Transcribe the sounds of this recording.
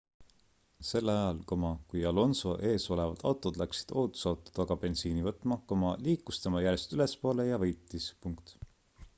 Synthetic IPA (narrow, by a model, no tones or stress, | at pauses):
se̞lːɑjɑlkomɑkujɑlo̞nso̞̰ʔe̞ːso̞le̞vɑd̪̥ɑ̰wt̪ːˑod̪̥læksi̥d̪̥o̞ːt̪ˑu̥sɑwt̪ːˑu̥d̪̥ɑɡ̥ɑb̥e̞nsiːnivɤt̪ːˑmɑkomɑliːkːˑust̪emɑjæɾjest̪yle̞spo̞ːle̞jɑvɤjt̪ːˑispuŋkt̪